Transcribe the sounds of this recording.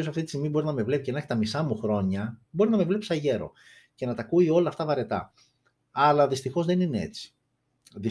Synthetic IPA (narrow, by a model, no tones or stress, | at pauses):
osɐft̪it̪ist̪imibo̞ɾinɐme̞vle̞picenɐçi̥t̪ɐmisɐmuxɾo̞ɲɐbo̞ɾinɐme̞vle̞pisɐʝe̞ɾo̞̰ | ce̞nɐt̪ɐkuio̞lɐːft̪ɐvɐɾe̞t̪ɐ̰ | ɐlɐðist̪ixo̞zðe̞ninee̞̰t͡si̥ | ði